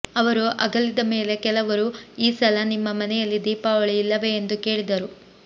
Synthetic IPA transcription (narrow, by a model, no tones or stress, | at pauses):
ɐʋɐɾuʔɐɡɐlid̪ɐme̞ːle̞kɛlɐʋɐɾuiːsɐlɐnimːɐmɐnɛjɐlːid̪iːpaɐɭijilːɐʋe̞ːnd̪uke̞ːɭid̪ɐɾu